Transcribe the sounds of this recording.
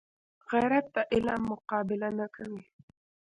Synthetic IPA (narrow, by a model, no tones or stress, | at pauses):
ɣajɾat̪ːaʔɪlamːʊqɑːbɪlanakʰawɪ